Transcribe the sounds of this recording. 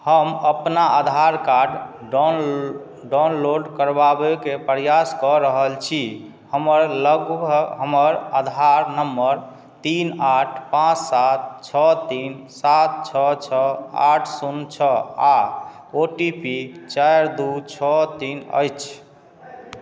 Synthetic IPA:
həməpnaʔad̪ʱaɾkaɖ | ɖanloɖkəɾbabekepɾjaskɔɾəɦəlt͡ʃʰi | həməɾləɡbʱɦəməɾad̪ʱaɾnəmːəɾ | t̪inaʈʰpãt͡ʃsat̪̚t͡ʃʰɔt̪insat̪̚t͡ʃʰɔt͡ʃʰɔaʈʰsunt͡ʃʰɔa | oʈipit͡ʃaɾd̪ut͡ʃʰɔt̪inə̰jt͡ʃʰ

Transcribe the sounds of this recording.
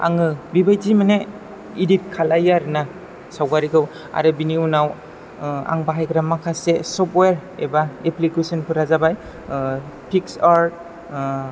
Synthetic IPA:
a̰ŋɯbibajzimane | idip̚kʰalajaɾɯna | sawɡaɾiɡɯw | a̰ɾɯbiniunaw | a̰ŋbaɦajɡɾamakʰasesɔpweɾḛbaeplikusɔnpʰɯɾazabaj | pʰiksaɾt̚

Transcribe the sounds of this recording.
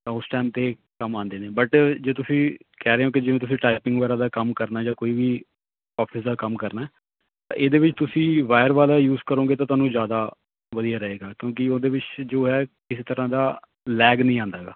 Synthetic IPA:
t̪ãʊsʈɛːmt̪eː | kəmãːnd̪eːneːbəʈd͡ʒeːt̪ʊsĩːkɛːɾeːõːk̬ɪd͡ʒɪʋẽːt̪ʊsĩːʈaːipɪ̃ŋɡʋːɾaːd̪aːkəmkəɾnaːd͡ʒaːkoːiːʋiː | ɔːpʰɪsd̪aːkəmkəɾnaːɛː | t̪ã̰ːʔeːd̪eːʋɪt͡ʃt̪ʊsĩːʋaːɪəɾʋaːlaːjuːzkəɾõːɡeːt̪ãt̪ʊaːnũːzjaːd̪aː | ʋəd̪ijaːɾəɦeːɡaːkjõːkɪoːd̪eːʋɪt͡ʃd͡ʒoːɦɛːkɪseːt̪əɾãːd̪aː | lɛːɡnəĩːãːnd̪aːɡa̰ː

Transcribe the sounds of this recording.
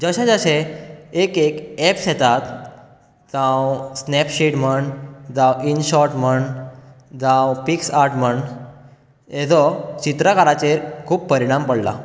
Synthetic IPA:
d͡zəɕẽd͡zəɕẽekekɛpsɛt̪at̪ | d͡zãwsnɛpɕiʈm̤əɳɖd͡zãwinɕɔɾʈməɳ | d͡zãwpiksaɾʈməɳ | ed͡zɔt͡ɕit̪ɾəkaɾat͡ɕeɾkʰuːppəɾiɽ̃ampəɽla̰

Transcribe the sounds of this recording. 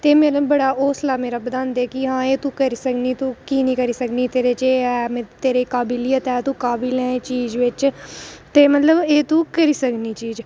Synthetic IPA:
t̪eːmeːlbəɽaːoːslaːmeːɾaːbəd̪ãːnd̪eːkiɦãːeːt̪ũːkəɾiːsəkniːt̪ũːkiːnĩːkəɾiːsəkniːt̪eːɾeːt͡ʃeːɛːmẽt̪eːɾeːkaːbɪlɪjət̪ɛːt̪ũːkaːbilɛ̃ːt͡ʃiːd͡ʒʋɪt͡ʃt̪eːmət̪ləbeːt̪ũːkəɾiːsəkniːt͡ʃiːd͡ʒ

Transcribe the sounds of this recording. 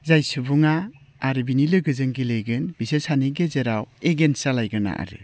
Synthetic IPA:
zajsɯbuŋaː | ɾɯbinilɯɡɯzɯŋɡilejɡɯnbisɯsaniɡezeɾaweɡensalajɡɯna̰ʔa̰ɾɯ̰

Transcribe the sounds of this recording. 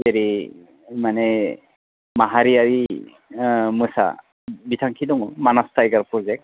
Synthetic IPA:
zeɾi | manɛ | maɦaɾiaɹi | mɯsa̰ | bitʰaŋkʰidɔŋɔmanastʰajɡaɹpɹɔzɛk̚t̚

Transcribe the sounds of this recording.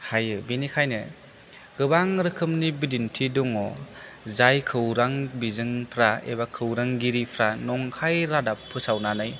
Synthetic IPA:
hajɯbinikʰajnɯ | ɡ̥ɯbaŋɾɯkʰɯmnibidintʰiduŋɔ | zajkʰɯwɾaŋbizɯŋpʰɾaḛbakʰɯwɾaŋɡiɾipʰɾanɔŋkʰajɾadapʰːɯsawnanɯj

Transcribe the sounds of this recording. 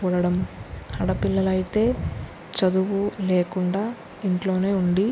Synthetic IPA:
uːɽɐɽɐmhɐɽɐpilːɐlɐjit̪e̞ː | t͡ʃɐd̪uʋuleːkuɳɖaː | iɳʈlo̞ːne̞ːuɳɖi

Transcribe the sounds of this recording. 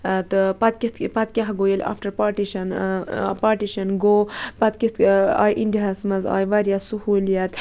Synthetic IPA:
t̪ɨpɐt̪kʲit̪pɐt̪̚kʲɐɦɡoːjela̰ːfʈɐɾpaːɾʈiʃɐnpaːɾʈiʃɐnɡoːpɐt̪kit̪a̰ːjʔindiɦɐsmɐza̰ːjʋɐɾjasuhuːljɐt̪

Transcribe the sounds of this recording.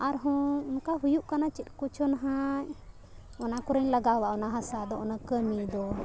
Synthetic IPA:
aɾɦɔ̃nkaɦujuʔkanat͡ʃit̪̚ˀkut͡ʃʰɔnaɦã | ɔnakɔɾəɲlaɡawaʔɔnaɦasad̪ɔɔnakəmid̪ɔ

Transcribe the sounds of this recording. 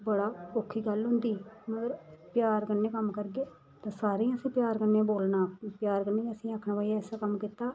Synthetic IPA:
bəɽaːpoːkʰːiːɡəlɦʊ̃nd̪iːməɡəɾpjaːɾkənːeːkəmkəɾɡeː | t̪ãːsaːɾẽːəsĩːpjaːɾkənːẽːboːlnaːkːpjaːɾkənːeːəsĩːaːkʰnãːʋaːiaɛsaːkəmkɪt̪ːaː

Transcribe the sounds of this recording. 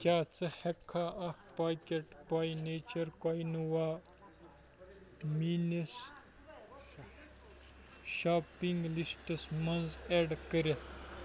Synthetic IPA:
kʲaːt͡sɐhekʰːaːʔɐkpaːkʲeʈpajneːt͡ʃɐɾkojnuwaː | mines | ʃaːpiŋɡlisʈɐsmɐnzeːɖkəɾet̪ʰ

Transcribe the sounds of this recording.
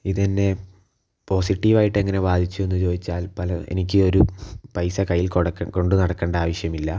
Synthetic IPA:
iðɐnːe̞ | po̞ːsiʈːiʋaːjiʈːe̞ŋːɐne̞ʋaːd̪ʱit͡ɕːuenːɨt͡ɕo̞ːd̪it͡ɕːaːlpɐlɐḛnik̬ʲːɨo̞ɾupɐjsɐkɐjːilkoɽko̞ɳɖɨnɐɽɐkːe̞ːɳɖɐaːʋɐʂjɐmilːɐ

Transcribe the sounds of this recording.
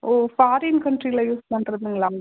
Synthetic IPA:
ofaːɾinkɐɳʈɾiɣɐlɐjuːspɐɳɖɾɐðɯŋɡɐɭaːŋɡ

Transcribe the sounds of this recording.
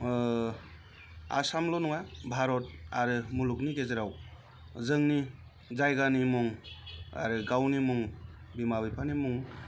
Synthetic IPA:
a̰samlɔnuŋabʱaɾɔt̚aɾɯmulukniɡezeɾaw | zɯŋni | zajɡanimuŋa̰ɾɯɡawnimuŋbimabipʰanimuŋ

